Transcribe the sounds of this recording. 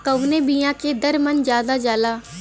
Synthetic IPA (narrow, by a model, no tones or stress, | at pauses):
kəwneːbijãːkeːd̪əɾmənd͡ʒjaːd̪aːd͡ʒaːlaː